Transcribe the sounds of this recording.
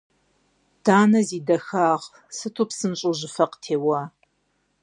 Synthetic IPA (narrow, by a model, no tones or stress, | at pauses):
d̥aːnɐziːdɐxaːʁ | sɨtʰupsɨmɕʼʊʑɪfɐqtʰeːwaː